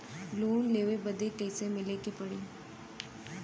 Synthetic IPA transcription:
lonleʋebəd̪ʱekəjsemilekipəɽi

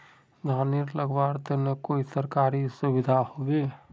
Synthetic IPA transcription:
ɡʱaːniɾləɡbaːɾt̪enekoːisəɾkaːɾisʊʋɪd̪ʱahobeː

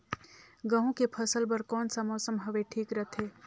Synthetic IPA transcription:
ɡɐɦũkepʰɐsəlpɐɾkɔːnsamɔːsəmɦɐʋeʈʰiːkɾət̪ʰeː

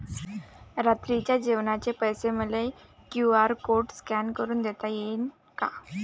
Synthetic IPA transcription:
ɾat̪ɾit͡ɕjad͡ʑiʋnat͡ɕepəjseməle | kjuaɾkoɾʈskɛnkəɾuːnd̪ɛt̪ajen | ka

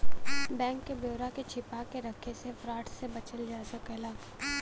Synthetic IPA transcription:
bɛ̃ːŋkːebʱjoːɾaket͡ʃʰɪpakeɾɐkʰesefɾaːʈsebɐt͡ʃəld͡ʒaːsəkɛlaː

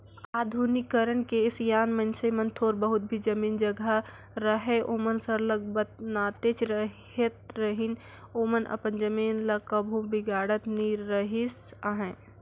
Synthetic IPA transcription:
aːd̪ʱuːnɪkːəɾənkeɪsjaːnmənsemə̃nt̪ʰoːɾbəɦʊt̪̚bʱid͡ʒɐmiːnd͡ʒəɡa | ɾəɦeʔoːmənsəɾləɡ̚bət̪̚naːt̪eːt͡ʃɾəɦ | et̪ɾəɦin | oːmənʔɐ̰pənd͡ʒəmiːnlɐkəbʱõbɪɡaːɽət̪niɾəɦɪsaɦɛ̃ː

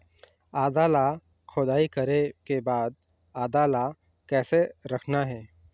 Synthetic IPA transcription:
aːd̪aːla | kʰʊd̪aːikɐɾekebaːd̪̚ | aːd̪aːla | kɛːseɾɐkʰnaɦɛː

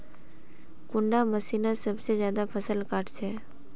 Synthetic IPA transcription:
kʊ̃ɳɖaməsinasəbsed͡ʒjad̪apʰəsəlkaʈt͡ʃʰe

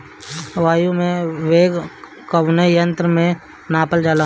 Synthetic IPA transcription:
ʋaːjumẽʋeːɡ | kəʋnəjə̃nt̪ɾəmẽ | naːpəld͡ʒaːla

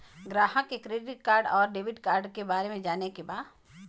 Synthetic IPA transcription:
ɡɾaːɦəkekɾeːɖɪʈ̚kaːɾɖɔːɾɖeːʋɪʈkaːɾɖkebaːɾemẽd͡ʒaːnekebaːd̪

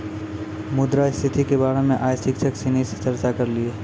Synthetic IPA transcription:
mʊd̪ɾaɪst̪ʰɪt̪ʰikebaːɾemẽʔaːjsɪkʃʰəksinise̥t͡ʃɐɾt͡ʃakɐɾlieː

